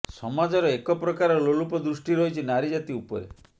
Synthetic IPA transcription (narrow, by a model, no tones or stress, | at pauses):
sɔmad͡ʒɔɾɔekɔpɾɔkaɾɔlolupɔd̪ɾusʈiɾɔɦit͡ʃʰinaɾid͡ʒat̪iupɔ̰ɾḛ